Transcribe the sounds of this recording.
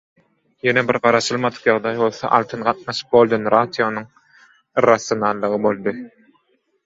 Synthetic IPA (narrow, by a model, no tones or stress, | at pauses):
jenebiɾɢɑɾɑʃɯlˠmɑd̪ɯ̥qjɑʁd̪ɑjbo̞lˠθo̰ʔɑ̰lˠt̪ʰɯnɢɑt̪̚nɑʃɯ̥p̚bo̞lˠd̪onɾad̪ijo̞nuŋ | rasjo̞nɑlˠːɯʁɯbo̞lˠd̪ɯ